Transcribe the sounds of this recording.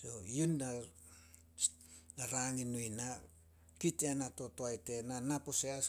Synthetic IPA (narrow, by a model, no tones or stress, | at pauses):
sojunːa | naɾaŋinujna | kiteanato̞toajte̞nanaposeas